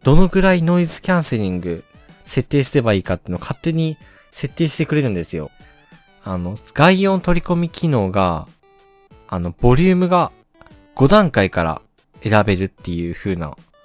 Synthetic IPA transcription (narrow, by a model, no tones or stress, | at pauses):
d̪̥o̞no̞ɡɯ̟ɾaino̞izɨ̥kʲãɰ̃se̞ɾʲĩŋɡɯ̟ | se̞t̪ːe̞ːsɨ̥ɾe̞baiːkat̪ːeiɯnokʰat̪ːe̞ɲ̟i | se̞t̪ːe̞ːɕi̥t̪e̞kɾe̞ɾɯ̟̃nd̪e̞sɨjo̞̰ | ano̞ɡ̥aiõ̞nt̪o̞ɾʲiko̞mʲikʲino̞ːɡa | no̞b̥o̞ɾʲɯ̟ːmɯ̟ɡa | ɡ̥o̞d̪ãŋkaikaɾa̰ | e̞ɾabe̞ɾɯ̟t̪ːe̞jɯ̟ːɸɯ̟ːna̰